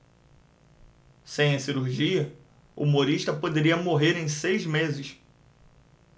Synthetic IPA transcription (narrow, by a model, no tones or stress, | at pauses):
sẽj̃ɐsiɾuɾʒiɐ | ṵumoɾiʃt̪ɐpod̪eɾiɐmoɦeɾẽj̃sejzmezɪʃ